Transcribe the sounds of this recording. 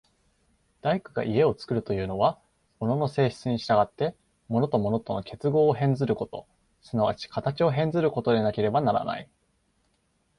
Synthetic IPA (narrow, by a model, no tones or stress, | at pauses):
d̪̥aikɯ̟ɡa̰ʔie̞o̞t͡sɨ̥kɯ̟ɾɯ̟t̪o̞jɯ̟ːno̞βa | mo̞no̞no̞se̞ːçi̥t͡sɨɲ̟iɕi̥t̪aɡat̪ːe̞ | mo̞no̞t̪o̞mo̞no̞t̪o̞no̞kʲʰe̞t͡sɨɡo̞ːɦẽ̞nd͡zɨɾɯ̟ko̞t̪o̞ | sɨnaβa̰t͡ɕi̥kʰat̪at͡ɕio̞ɦẽ̞nd͡zɨɾɯ̟ko̞t̪o̞d̪e̞nake̞ɾe̞banaɾa̰na̰i